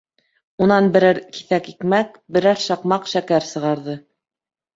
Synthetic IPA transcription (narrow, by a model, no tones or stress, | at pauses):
unɑnbɘ̆ɾæɾki̥θækikmæk̚ | bɘ̆ɾæɾʃɑqmɑqʃækæɾsɤ̆ʁɑɾðɤ